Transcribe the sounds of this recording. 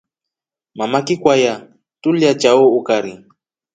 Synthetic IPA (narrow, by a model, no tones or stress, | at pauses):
mamakikwaja | tuljat͡ʃaɔukaɾi